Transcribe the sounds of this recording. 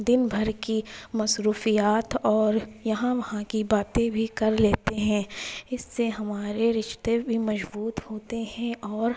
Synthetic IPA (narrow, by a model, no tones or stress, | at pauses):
d̪ɪnbʱɐɾkimɐsɾuːfijaːt̪ɔːɾjɐɦãʋɐhãkibaːt̪ẽbʱikɐɾleːt̪eɦɛ̃ːɪsːeɦɐmaːɾeɾɪʃt̪ebʱimɐʒbuːt̪hoːt̪eɦɛ̃ʔɔːɾ